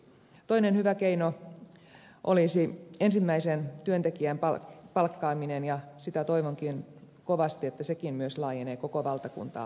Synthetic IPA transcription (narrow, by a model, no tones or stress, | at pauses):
t̪o̞inenhyʋækeino | ʔolisiensimːæisent̪yønt̪ekiæmpɑpɑlkːɑːminenjɑsit̪æt̪o̞iʋoŋkin | koʋɑst̪iet̪ːæsekimmyøslɑːjeneːkokoʋɑlt̪ɑkṵnt̪ɑ̰ː